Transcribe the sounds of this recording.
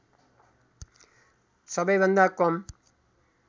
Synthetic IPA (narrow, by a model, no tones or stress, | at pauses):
sʌbʌjbʱʌnd̪akʌm